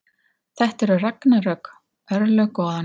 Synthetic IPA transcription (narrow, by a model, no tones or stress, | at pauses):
θɛht̪ɛɾʏraknaɾœk | œɾlœɣkɔːðan